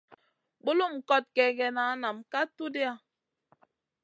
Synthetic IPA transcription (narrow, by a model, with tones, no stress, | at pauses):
ɓo˦lu˦˨m̩˨kɔ˦t̚kɛ˨ɡɛ˨na˨˦na˨mka˦tu˦de˦a˦